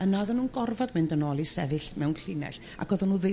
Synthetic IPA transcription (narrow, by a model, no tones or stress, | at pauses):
ənaðənːuːnɡɔrvɔdmɪndənɔːlˠisɛvɪɬmɛwnkʰɪnɛ̰ɬ | a̰ɡ̥ɔðɔnuːðe